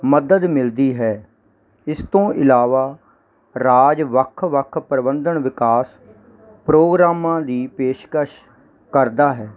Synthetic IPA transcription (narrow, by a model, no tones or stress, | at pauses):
məd̪əd̪mɪld̪iːɦɛː | ɪst̪õːʔɪlaːʋaː | ɾaːd͡ʒʋəkʰʋəkʰpəɾəbənd̪əɳʋɪkaːs | pɾoːɡɾaːmãːd̪iːpeːʃkəʃ | kəɾd̪aːɦɛː